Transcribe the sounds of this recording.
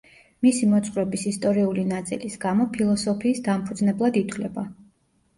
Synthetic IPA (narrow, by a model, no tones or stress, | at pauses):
misimɔt̪sʼqʼɾɛbisist̪ʼɔɾiulinat̪sʼḭlisɡamɔpʰilˠɔsɔpʰiːsd̪ampʰud̪znɛblˠad̪it̪ʰlɛba